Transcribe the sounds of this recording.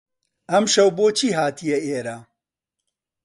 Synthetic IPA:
ɐmʃɐwboːt͡ʃʰiːɦaːt̪ʰijɛeːɾɐ

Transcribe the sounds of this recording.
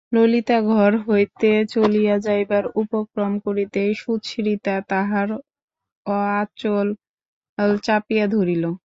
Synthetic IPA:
lolit̪aɡʱɔɾɦojt̪et͡ɕolijad͡ʑajbaɾupokɾomkoɾit̪ejʃut̪ʃiɾit̪at̪aɦaɾ | ɔat͡ɕol | lt͡ɕapijad̪ʱoɾilo

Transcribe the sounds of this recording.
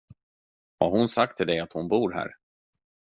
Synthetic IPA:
va̰hʊnsak̚t̪ʰɪld̪ɛat̪hʊnbuːɾɦæ̰ːɾ

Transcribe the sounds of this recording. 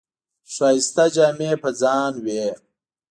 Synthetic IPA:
ʂaːist̪ɐd͡ʑaːmeːpɐd͡zaːnweː

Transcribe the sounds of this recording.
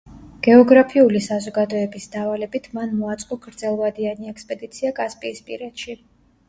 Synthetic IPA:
ɡ̥ɛɔɡɾapʰiulisazɔɡad̪ɔɛbisd̪avalɛbit̪ʰmanmɔat̪sʼqʼɔɡɾd̪zɛlˠvad̪ianiɛkspʼɛd̪it̪sʰiakʼaspʼiːspʼḭɾɛd̪ʃi

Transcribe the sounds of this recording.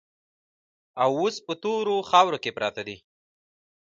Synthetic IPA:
awospət̪oɾoxɑwɾokepɾɑt̪ad̪i

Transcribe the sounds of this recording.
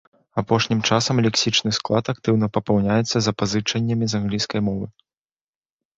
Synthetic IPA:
apɔʂnʲimt͡ʂasɐmlʲɛksʲit͡ʂnɨsklˠat̪ak̚t̪ɨwn̪ɐpɐpɐwnʲajɛt̪sːɐzɐpazɨt͡ʂɐnʲːɐmʲizanɣlʲijskɐjmɔvɨ

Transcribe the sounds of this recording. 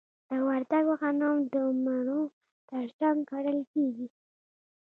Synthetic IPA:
d̪̥əwaɾd̪aɡwaxanɑmd̪əmaɾo | t̪əɾd͡ʒaŋɡkaɽəlkeɡi

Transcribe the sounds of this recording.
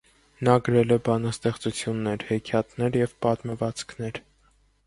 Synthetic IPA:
nɑɡəɾɛlɛbɑnɑst̪ɛχt͡sut͡sʰjunːɛɾhɛkʰjɑt̪nɛɾjɛvpɑt̪məvɑt͡skʰnɛɾ

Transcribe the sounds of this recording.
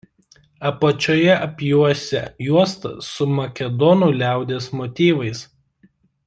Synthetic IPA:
ɐpɐt͡ʃʲojɛʔɐpʲjuɔsʲɛ̰juɔst̪ɐ̰sʊmɐkʲɛd̪ɔnuːˑlʲæˑʊd̪ʲeːsmɔt̪ʲiːʋɐɪs

